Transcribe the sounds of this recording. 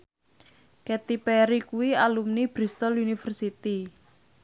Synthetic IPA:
kɛt̪ipɛɾikuwialumnib̥ɾist̪ɔlunifərsit̪i

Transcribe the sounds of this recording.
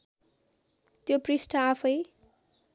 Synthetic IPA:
t̪joprisʈʰʌãpʰʌj

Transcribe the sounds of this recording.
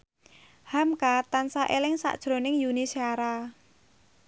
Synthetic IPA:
hamkat̪ansaʔelɪŋsa̰ʔd̥ʒ̥ɾo̤nɪŋjunisiaɾa

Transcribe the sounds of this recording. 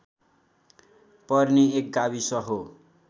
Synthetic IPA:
pʌrniek̚ɡaβisʌɦo

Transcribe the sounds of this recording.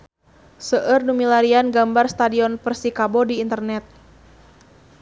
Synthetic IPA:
səʔərnumilaɾianɡambarst̪adiɔnpərsikabodiːnt̪ərnɛt̪̚

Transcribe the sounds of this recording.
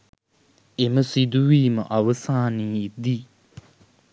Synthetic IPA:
eməsid̪uʋiːmə̰ʔaʋəsaːniːd̪iː

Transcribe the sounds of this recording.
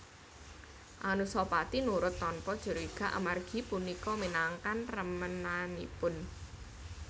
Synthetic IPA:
ʔanusɔpat̪inuɾʊt̪ːɔnpɔd̥ʒ̥ə̤ɾoiɡ̥a̤ʔa̰marɡ̥i̤punikɔminaŋkanrəmənanḭpʊn

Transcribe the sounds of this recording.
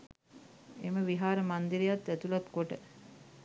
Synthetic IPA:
eməʋiɦaːɾəmand̪iɾejat̪ːæt̪ulat̪koʈə

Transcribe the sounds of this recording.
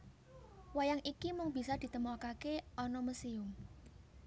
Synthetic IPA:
wajaŋʔikimʊŋb̥i̤sɔd̪̥i̤t̪əmɔkakeɔnɔməsiʊm

